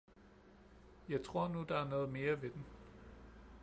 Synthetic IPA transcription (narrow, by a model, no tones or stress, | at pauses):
jɑ̈ɪt͡sʰʁo̝ɐ̰nud̥ɑ̈æɐnɔ̽ːð̞̩ˠme̝ːɐʋe̝d̥en